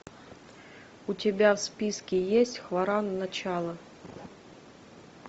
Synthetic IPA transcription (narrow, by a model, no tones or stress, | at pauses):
ʊtʲɪbʲafspʲiskʲɪjesʲtʲxvɐɾannɐt͡ɕalˠə